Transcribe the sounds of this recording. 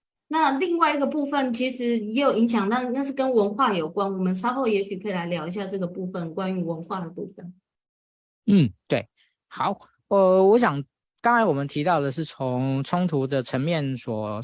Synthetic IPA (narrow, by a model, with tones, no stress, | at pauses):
na˥˨li˥˧ŋwa˥˩ɪi˧˥ɡə˧pu˥˧fə˨˩nt͡ɕʰi˧˥ʂɻ̩˧˥jɛ˧˥jo˨˩ʊi˧˥ŋɕ̬jɑ˨˩ŋna˥˩na˥˧ʂ̬ɻ̩˥˩kə˦˥nwə˧˥nxwa˥˩jo˨˩ʊkwa˦˥nwɔ˨˩mə˨˦nʂɑ˥ʊxo˥˩ʊjɛ˧˥ɕy˨˩kʰə˧˥i˨la˧˥ɪljɑ˧˥ʊi˧ɕja˥˧˩ʈ͡ʂɤ˥˩ɡə˩pu˥˩fə˨˩nkwa˦˥ny˧˥wə˧˦˥nxwa˥˩d̪ə˩pṵ˥˩fə˨˩n | n̩˥˩t̪we˥˩ɪ | xɑ˨˩˦ʊ | ə˧wɔ˧˦˥ɕ̬jɑ˨˩ŋ | kɑ˥ŋa˧˥nwɔ˨˩mə˨˦nt̪ʰi˧˥t̪ɑ˥˩ʊlə˩ʂ̬ɻ̩˥˩t͡sʰo˨˦ŋt͡sʰʊ˥ŋt̪ʰu˧˦d̪ə˨ʈ͡ʂʰə˧˥ŋmjɛ˥˨nswɔ˨˩